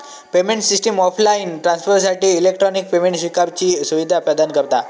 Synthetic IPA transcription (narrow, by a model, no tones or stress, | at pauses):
pemeɳʈsisʈəmɔpʰlainʈɾãnsfəɾsaʈiːlekʈɾɔnik̚pemẽɳʈsʋikaɾt͡ɕiːsuʋid̪ʱapad̪ankəɾt̪a